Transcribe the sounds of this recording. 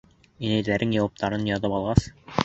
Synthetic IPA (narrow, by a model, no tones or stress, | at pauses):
inæjlæɾɘŋjɑwɑp̚t̪ɑɾɤnjɑt̪ɤpɑlˠʁɑs